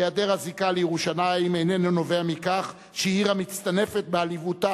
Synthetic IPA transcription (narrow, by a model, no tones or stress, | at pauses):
jad̪eʁazikalejeʁuʃanaimejnenono̞veamikaχ | ʃiiʁamit͡st̪ane̞fet̪̚bealivut̪a